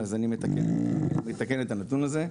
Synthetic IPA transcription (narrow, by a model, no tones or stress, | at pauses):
azanimet̪akenmet̪akenet̪anatunaze̞